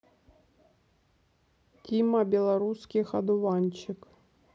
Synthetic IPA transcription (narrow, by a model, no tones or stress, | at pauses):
tʲimɐbʲɛlˠaɾuskʲixɐd̪ʊvanʲt͡ɕɪk